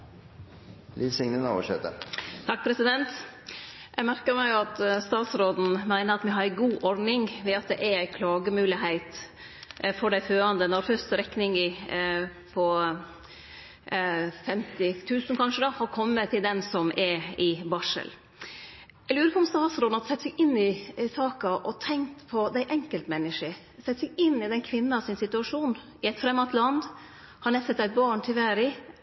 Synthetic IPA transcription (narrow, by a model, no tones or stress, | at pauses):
lɪlsɪŋnəno̰ːʋəʂɛt̪ə̰ɾt̪ʰɑk̚ːpʰɾɛsɪd̪ɛnt̪ | jʔæɡmæɾkəɾmæɪɑt̪st̪ɑːt̪sɾoːd̪n̩mæɪnəɾɑt̪mɛɦɑɾɡuːʔɔɾɖnɪŋʋɛɑt̪̚d̪ɛʔæɾæɪkʰlɑːɡəmʉːlɪɦæɪt̪ | fɔɖæɪføːɑnd̪ənɔɾfœst̪əɾɛknɪŋɪ | pʰɔ | fɛmt̪ɪt̪ʰʉːsnkʰɑnʂəd̪ɑhɑɾkʰɔmːət̪ʰɪld̪ɛnsɔmɛɪbɑʂə̰l | ɛlʉːɾəkʰɔmst̪ɑhɑsɾɔːnɑlsɛt̪ːsɛɡɪnːɪsɑːkɑʔɔt̪ʰɛŋkt̪pʰɔd̪æɪʔɛŋkəlt̪mɛnːɪʂə | sɛt̪ːsɛɡɪnːɪd̪ɛnkʰʋɪnːəɑʋsɪnsɪt̪ʉɑʂuːn | ɪɛɪt̪fɾɛmːɑt̪lɑnd̪ | hɑnɛsɛt̪ːæɪt̪̚bɑːɳtʰɪʋæːɾɪ